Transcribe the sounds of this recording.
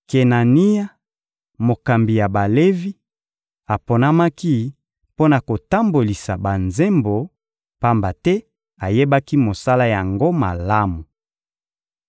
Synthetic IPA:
ke˨na˨ni˦ja˦ | mo˨ka˨mbi˨ja˨ba˨le˦vi˦ | a˨po˨na˦ma˦ki˦ | po˦na˨ko˨ta˦mbo˨li˨sa˨ba˨nze˦mbo˨ | pa˦mba˨tɛ˦ | a˨je˦ba˦ki˦mo˨sa˦la˦ja˨ŋɡo˦ma̰˨la˦mu˨

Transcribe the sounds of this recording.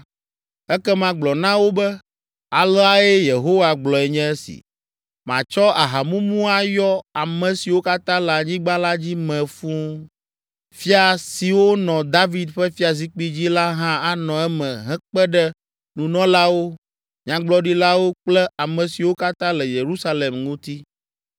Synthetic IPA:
ɛ˦kɛ˦mã˦ɡ͡blɔ˨nã˦wo˦bɛ˦ | a˨lɔ˦a˨ɛ˦je˨ɦo˦wa˨ɡ͡blɔ˨ɛ˨ɲɛ̃˦sḭ˨ | mã̰˨t͡ʃɔ˦a˨ɦa˨mũ˦mũ˦a˨jɔ˦a˨mɛ̃˨si˨wo˦ka˦t̪ã˦lɛ˨a˨ɲĩ˦ɡ͡bã˦la˦d͡ʑi˦mɛ̃˨fũ˦ | fi˦a˨si˨wo˦nɔ̃˨d̪a˦vi˨d̪ɸɛ˦fi˦a˨zi˦k͡pi˦d͡ʑi˦la˦ɦã˦a˦nɔ̃˨ɛ˦mɛ̃˨ɦɛ̃˦k͡pɛ˦ɖɛ˦ | nũ˨nɔ̃˦la˦wo˦ | ɲã˦ɡ͡blɔ˦ɖi˦la˦wo˦k͡plɛ˦a˨mɛ̃˨si˨wo˦ka˦t̪ã˦lɛ˨je˨ɾu˦sa˦le˨mŋũ˦t̪i˦

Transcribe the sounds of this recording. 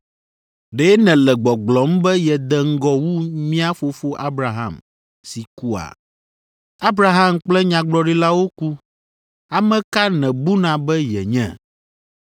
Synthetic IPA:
ɖɛ˦nɛ̃˨lɛ˨ɡ͡bɔ˨ɡ͡blɔ˨˦m˦bɛ˦jɛ˨d̪ɛ˨ŋ̩˦ɡɔ˦wu˦mĩ˦a˦fo˨fo˦ʔa˦bɾa˨ɦã̰˦˨m | si˨ku˦a̰˨ | a˦bɾa˨ɦa˦˨mk͡plɛ˦ɲã˨ɡ͡blɔ˨ɖi˦la˦wo˦ku˦ | a˨mɛ̃˦ka˦nɛ̃˨bu˦nã˨bɛ˦jɛ̰˨ɲɛ̰̃˨

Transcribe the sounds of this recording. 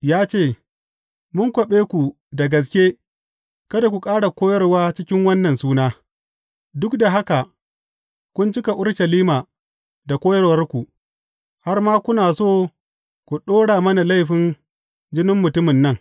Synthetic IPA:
jaː˦t͡ʃeː˦˨ | mʊ˦ŋkʷɔ˨ɓeː˦kʷu˨ | da˨ɡɐ˨s̬kʲeː˦ | kɐ˦da˨kʷu˨kʼaː˦ɽa˨kʷoː˦jɐ˦rwaː˦t͡ʃɪ˦kʲɪ˦ŋwɐ˦nːɐ˨nsuː˦naː˦ | dʊ˦kda˨ɦa˦ka˨ | kʷʊ˦nt͡ʃɪ˦ka˨ʔʊ˦ɽʃɐ˨liː˦maː˨ | da˨kʷoː˦jɐ˦rwɐ˦rkʷu˨ | ha˦rmaː˦kʷʊ˦naː˨soː˦˨ | kʷu˨ɗoː˦ɽaː˨mɐ˦na˨la˦jɸɪ˨n | d͡ʒɪ˦nɪ˦mːʊ˨tʊ˦mɪ˨nːɐ˦˨ŋ

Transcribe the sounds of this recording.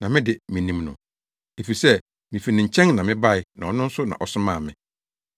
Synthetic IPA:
nã˨mɪ̃˦dɪ˨mĩ˨nĩ˨mnʊ̰̃˨ | e˨fi˨sɛ˦ | mĩ˨fi˨nɪ̃˨ɲ̩˨t͡ɕʰɛ̃˦ŋnã˨mɪ̃˦ba˦˨ɪ˨nã˨ɔ˨nʊ̃˦n̩˦sʊ˦nã̰˨ʔɔ˨sʊ˦mãː˦˨mɪ̰̃˨

